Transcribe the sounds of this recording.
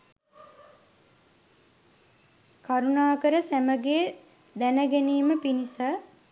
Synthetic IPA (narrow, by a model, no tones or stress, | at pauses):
kaɾunaːkəɾəsæməɡeː | d̪ænəɡæniːməpinisə